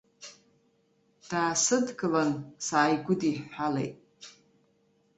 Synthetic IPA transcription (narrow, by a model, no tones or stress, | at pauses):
d̥aːsɨdɡɨlansaːjɡʷʊdiħħalḛjtʼ